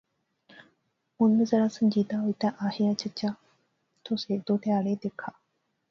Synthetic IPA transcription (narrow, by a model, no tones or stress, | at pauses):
ʊnmẽzəɽaːsəɲd͡ʒiːd̪aːɦoit̪aʔaːhɪjat͡ʃət͡ʃaː | t̪ʰoseːd̪oːt̪ɪjaːɽeːd̪eːkʰaː